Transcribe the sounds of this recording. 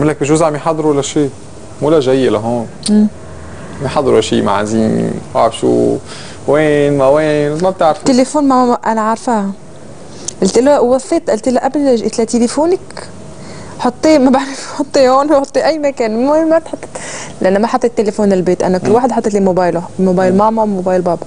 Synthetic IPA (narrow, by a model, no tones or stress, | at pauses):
mɪlːak̚biʃʊzʕamiħɑd̪ˤːɾuwalːæʃiː | muːlæʒæjːelaɦoːnː | miħɑd̪ˤːɑɾuʔæʃḭːma̰ʕa̰ziːm̰wa̰ʕɾfʃṵː | weːnmaweːnmæb̚t̪aʕɾft̪ːelefoːnmæʔænaʕɑɾˤfah | ʔælt̪ɪlæwwɑsˤːeːt̪ʔælt̪ɪlaʔablʔɪt̪lat̪elefoːnak | ħot̪ˤːiːmabaʕɾˤafħot̪ˤːiːhoːnwħot̪ˤːiʔæjːmakæːnmmæt̪ħɑt̪ˤːe̥t̪lɪʔanːæmaħɑt̪ˤːet̪ːelefoːnɪlbeːt̪ʔa̰naklːwaːħɪd̪ħɑt̪ˤːet̪limobaːjlmobaːjlmaʕmɑmobaːjlbɑːb